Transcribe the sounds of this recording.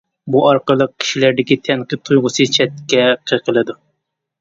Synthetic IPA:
buɑɾqəlˠəq̚kʲʰi̥ʃilæɾd̪ɪkʲit̪ʰɛŋqɨt̪ʰːujʁʊsɨt͡ʃʰɛt̪̚kʲɛqʰəqʰəlˠɨd̪u

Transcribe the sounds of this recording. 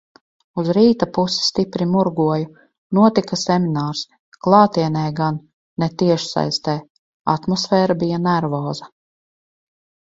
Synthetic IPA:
uzɾiːt̪apusi̥st̪ipɾimuɾɡuɔju | nuɔt̪ikasɛminaːɾs | klˠɑːt̪iɛnɛːɡanː | ɛt̪iɛʃsa̰jst̪ɛː | a̰t̪mɔsfɛːɾabijanæɾvɔːzɐ

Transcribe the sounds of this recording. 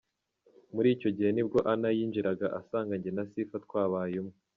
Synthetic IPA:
muɾiːco̞ɟihe̞nibɡo̞ʔanajiːnd͡ʒiɾaɡaʔasaːŋɡaɲɟenasifatkwaːβaːjumŋe

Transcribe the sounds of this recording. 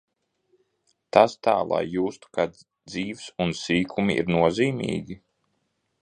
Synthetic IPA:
t̪ast̪aːlˠa̰jːuːst̪u̥ka | d̪ziːvsunsiːkʰumiḭɾnuɔziːmʲḭːɡʲi

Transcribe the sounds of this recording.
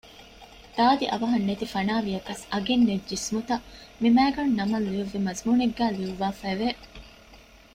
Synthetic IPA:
d̪̥aːd̪iʔɐ̰ʋɐɦɐnːet̪ifɐnaːʋijɐkɐsɐɡenːed͡ʒd͡ʒismut̪ɐmimæːɡɐnnɐmɐlujɐʋːimɐzmuːneɡːæːliʋuʋaːfæʋe

